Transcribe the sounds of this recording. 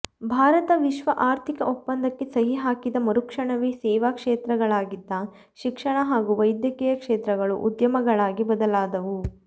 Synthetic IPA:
bʱaːɾɐt̪ɐʋiʃʋɐʔaːɾt̪ʰikɐʔupːɐnd̪ɐkːesɐɦiɦaːkid̪ɐmɐɾukʂɐɳɐʋisɛːʋaːkʂeːt̪ɾɐɡɐɭaːɡid̪ːɐ | ʃikʂɐɳɐɦaːɡuʋɐjd̪jɐkijɐkʂeːt̪ɾɐɡɐɭṵʔud̪jɐmɐɡɐɭaːɡibɐd̪ɐlaːd̪ɐʋu

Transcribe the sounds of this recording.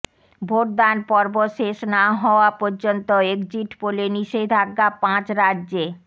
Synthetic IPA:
bʱoʈ̚d̪anpɔɾboʃeʃnaɦɔoapoɾd͡ʑont̪oeɡd͡ʑiʈpoleniʃed̪ʱaɡːapãt͡ɕɾadd͡ʑe

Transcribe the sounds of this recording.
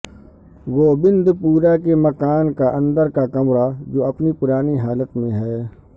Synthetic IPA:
ʋoːbɪ̃nd̪puːɾakemɐkaːnkaʔɐ̃nd̪əɾkakɐmɾad͡ʒoːɐpnipʊɾaːniɦaːlət̪mẽɦɛː

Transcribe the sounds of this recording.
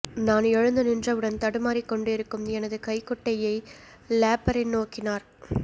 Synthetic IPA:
naːnɛɻɯnd̪ɯnɪndrɐʋɪɽɐnt̪ɐɽɯmaːɾikːɔɳɖɯɪɾɯkːɯmɛnɐðɯkɐɪkːɔʈːɐjɐɪ | laːpɐɾɪnnoːkːɪnaːɾ

